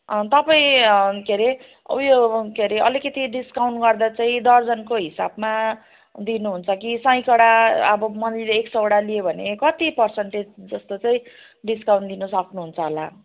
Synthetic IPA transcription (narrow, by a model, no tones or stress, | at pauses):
t̪ʌpaĩkʰeɾe | ujokʰeɾeʔʌlikʌt̪iɖiskawɳʈɡʌrd̪at͡saĩd̪ʌrd͡zʌnkoɦisabma | d̪inuɦunt͡sʰʌkisʌ̃j̃kʌɽaʌ̰bʌmʌnd̪ileːksʌwɽalijebʱʌnekʌt̪ipʌrsʌɳʈed͡zd͡zʌst̪ot͡saĩ | ɖiskawɳʈd̪inʌsʌkʰnuɦunt͡sʰʌɦola